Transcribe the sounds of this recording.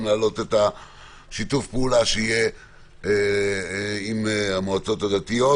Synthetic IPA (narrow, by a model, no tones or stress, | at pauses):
mlaːlo̞t̪et̪a | ʃit̪ufpeulaʃeije | imamoat͡so̞t̪had̪at̪ijo